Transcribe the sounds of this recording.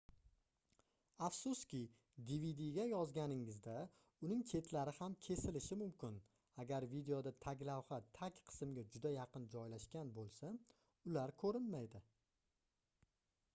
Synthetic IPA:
afsʊskʲɪ | d̪ivid̪iɡʲajɒzɡʲanɪŋɪzd̪a | ʊnɪŋt͡ʃʰe̞t̪ʰlaɾɪhamkʲʰe̞sɪlɪʃɪmʊmkʲɪn | aɡʲaɾvid̪e̞od̪at̪ʰaɡʲlawχat̪ʰakʲqʰɨ̥sɪmɡʲad͡ʒʊd̪ajɑqɨnd͡ʒɒjlaʃkʲanbolˠsa | ʊlaɾkʰɵɾɪnmajd̪ɪ

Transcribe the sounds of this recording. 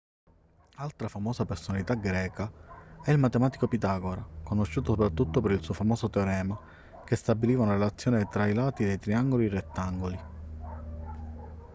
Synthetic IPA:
alt̪ɾafamɔːsapersonalit̪aɡɾɛːkaɛilmat̪emaːt̪i̥kopit̪aːɡoɾakonoʃːuːt̪osopɾat̪ːut̪ːopeɾilsuːofamɔːsot̪eoɾɛːma | k̟est̪abiliːvaunaɾelat̪sːjɔːnet̪ɾailaːt̪id̪ejt̪ɾiaŋɡoliret̪ːaŋɡoli

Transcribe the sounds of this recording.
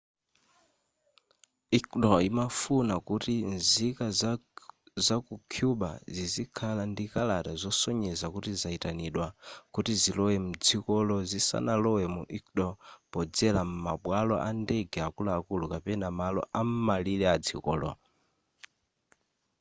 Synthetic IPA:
ikɗɔimafunakutinzika | zakukʰjuɓa̰zizikʰalandikalatazɔsɔɲɛzakutizaitaniɗwakutizilɔwɛm̩d͡zikɔlɔzisa̰nalɔwɛmuʔikɗɔpɔd͡zɛlam̩maɓwalɔ̰ʔandɛɡɛakulaːkulukapɛnamalɔ̰ʔam̩malilɛad͡zḭkɔ̰ːlɔ̰

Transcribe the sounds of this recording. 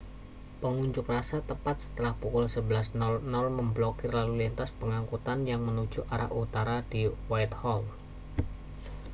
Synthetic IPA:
pəŋuɲd͡ʒʊkrasat̪əpat̪̚sə̥t̪əlahpukʊlsəbəlasnnɔlməmblokɪrlalulint̪aspəŋaŋkut̪anjaŋmənu̥d͡ʒuʔaɾa̰ʔut̪aɾadiwajt̪hɔl

